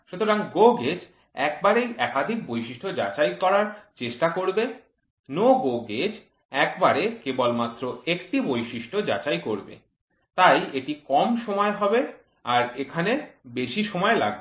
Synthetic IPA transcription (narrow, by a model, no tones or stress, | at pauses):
ʃut̪oɾaŋɡoɡed͡ʑ | ɛk̚baɾejʔɛkad̪ʱik̚bojʃiʃʈʰod͡ʑat͡ɕajkɔɾaɾt͡ɕeʃʈakoɾbe | noɡoɡed͡ʑ | ɛkbaɾekebolmat̪ːɾoekʈibojʃiʃʈʰod͡ʑa̰t͡ɕajkoɾbḛ | t̪ajeʈikɔmʃomɔeɦɔbe | aɾekʰanebeʃiʃɔmɔela̰ɡ̚be